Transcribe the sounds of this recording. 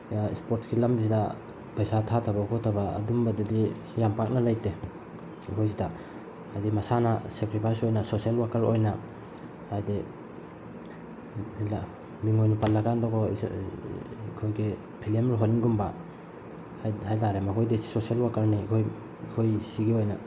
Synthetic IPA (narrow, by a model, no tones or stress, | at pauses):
aispoɾtsɡilambis̬ida | pajsatʰatʰabaukʰɔtʰaba̰ːdumbadadi | jampak̚nalajte | ikʰojs̬ida | hajdimasanasekɾipʰajsojnasosielwakaɾo̰jna | hajdi | la | biŋojnupalːakandɔɡɔ̰ | kʰojɡe | pʰilemɾuɦɔninɡumba | hajtaɾemakʰojdessosielwakaɾnikʰoj | kʰojsiɡeojna